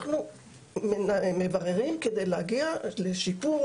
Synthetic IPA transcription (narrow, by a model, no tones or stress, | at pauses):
χnu | memevaʁeʁimked̪ejleaɡialeʃipu